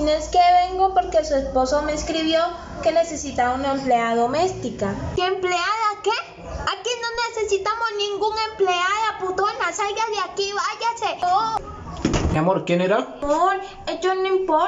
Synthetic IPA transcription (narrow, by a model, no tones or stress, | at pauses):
neskeβeŋɡopo̞ɾke̞sue̞spo̞someskɾiβjo̞ | kenese̞sit̪aβunaempleaðo̞me̞st̪ikakempleaðake | akino̞nesesit̪amoznĩŋɡuŋe̞mpleaðaput̪oenlasajazðeakiβaʝaseo | meamoɾkjeneɾamoɾ | et͡ʃounimpo